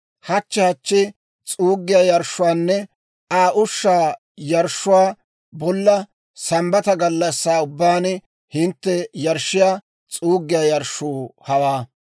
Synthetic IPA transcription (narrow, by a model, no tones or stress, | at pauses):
hɐt͡ʃːɛhɐt͡ʃːɪ | t͡sʼuːɡːɪjaːjɐɾʃːʊwaːnːɛ | aːʔʊʃːaː | jɐɾʃːʊwaː | bɔlːɐ | sɐmbɐt̪ɐɡɐlːɐsːaːʊbːaːn | hɪnt̪ːɛjɐɾʃːɪjaː | t͡sʼuːɡːɪjaːjɐɾʃːuːhɐwaː